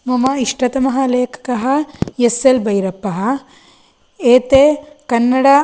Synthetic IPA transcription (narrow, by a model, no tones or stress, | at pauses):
mɐmɐiʂʈɐt̪ɐmɐɦɐleːkʰɐ̥kɐɦɐ̆jeselbɐjɾɐpːɐɦɐ̆ | eːt̪eːkɐnːɐɽɐ